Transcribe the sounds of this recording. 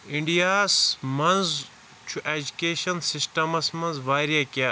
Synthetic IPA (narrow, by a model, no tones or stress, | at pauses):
iɳɖijaːsmɐnz | t͡ʃʰuʔeːd͡ʒukeːʃɐnsisʈɐmɐsmɐ̃nzʋaːɾijekijaː